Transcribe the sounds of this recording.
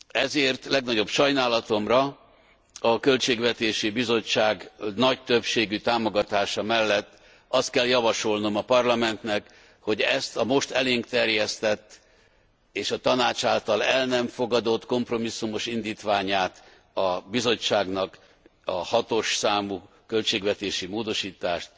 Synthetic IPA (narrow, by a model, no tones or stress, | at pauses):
ɛzeːrt̪lɛɡnɒɟo̞bʃɒjnaːlɒt̪o̞mrɒ | ɒkølt͡ʃeːɡvɛt̪eːʃibizo̞t͡ʃːaːɡnɒc̚t̪ø̞pʃeːɡyt̪aːmo̞ɡɒt̪aːʃɒmɛlːɛt̪ː | ɒst̪̚kɛljɒvɒʃo̞lno̞mɒpɒrlɒmɛnt̪nɛk | ho̞ɟɛst̪ɒmo̞ʃt̪ɛleːŋkt̪ɛrjɛst̪ɛt̪ː | eːʃɒt̪ɒnaːt͡ʃaːlt̪ɒlɛlnɛɱfo̞ɡɒd̪o̞t̪ko̞mpro̞misːumo̞ʃind̪iːt̪ʋaːɲaːt̪ | ɒbizo̞t͡ʃːaːɡnɒk | ɒhɒt̪o̞ʃsaːmuː | kø̞lt͡ʃeːɡvɛt̪eːʃimoːd̪o̞ʃiːt̪aːʃt̪